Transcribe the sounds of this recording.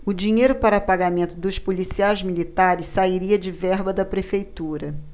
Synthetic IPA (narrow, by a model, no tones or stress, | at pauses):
ʊd͡ʒiɲejɾʊpaɾɐpaɡamẽnt̪ʊd̪ʊspulisiajzmilit̪aɾɪssaiɾiɐd͡ʒɪvɛɦbɐd̪ɐpɾefejt̪uɾɐ